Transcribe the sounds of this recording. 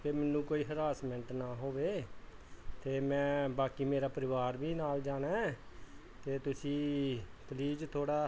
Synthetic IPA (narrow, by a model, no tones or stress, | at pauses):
t̪eːmɛːnːũːkoːiːɦəɾaːsmɛ̃ɳʈnaːɦoːʋeː | t̪eːmɛ̃ːbaːkiːmeːɾaːpəɾɪʋaːɾbiːnaːld͡ʒaːnaː | t̪eːt̪ʊsĩːpliːzt̪ʰoːɽaː